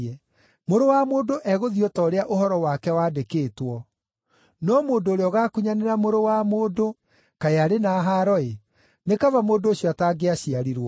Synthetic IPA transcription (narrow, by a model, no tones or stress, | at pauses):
ɛ | moɾowamoːdoʔɛɣoðiɔtɔɾeaʔoɦɔɾɔwakɛwadekeːtwɔ | nɔmoːndoːɾeɔɣakuɲaneɾamoɾowamoːdo | kaeaɾenaːɦaɾɔe | nekavamoːndoːɕjɔataɡeaɕiaɾiɾwɔ